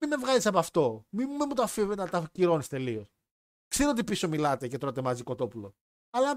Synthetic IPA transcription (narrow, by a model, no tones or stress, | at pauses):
iðevɣɐlisɐpɐft̪o̞mimumemut̪oɐfiveɐt̪ɐciɾo̞nist̪e̞lios | kseɾoot̪ipiso̞milɐt̪e̞ce̞t̪ɾot̪emɐziko̞t̪o̞pulo | ɐlɐ